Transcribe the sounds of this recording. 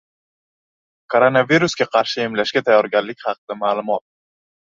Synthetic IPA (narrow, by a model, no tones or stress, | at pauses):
kʰoɾonaviɾusɡʲaqʰɑɾʃɪemlaʃɡʲat̪ʰajɒɾɡʲanlɪkʲχɑqʰɨd̪̥amaːlˠʊmɒt̪̚